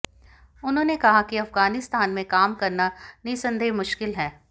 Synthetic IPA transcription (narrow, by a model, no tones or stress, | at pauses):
ʊnɦõːnekɐɦakiɐfɡaːnɪst̪aːnmẽkaːmkɐɾnaniːsɐ̃nd̪ʱeːmʊʃkɪlɦɛː